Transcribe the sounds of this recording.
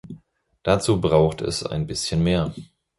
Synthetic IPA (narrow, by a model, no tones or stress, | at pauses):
d̥at͡suːbʁaʊxtɛ̰sa̰ɪnbɪsçənmeːɐ